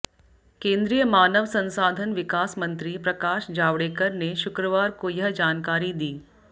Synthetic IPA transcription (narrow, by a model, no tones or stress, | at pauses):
kẽːnd̪ɾijəmaːnəʋsɐ̃nsaːd̪ʱənʋɪkaːsmə̃nt̪ɾipɾɐkaːʃd͡ʒaːʋɽeːkəɾneʃʊkɾəʋaːɾkojɐɦd͡ʒaːnkaːɾid̪iː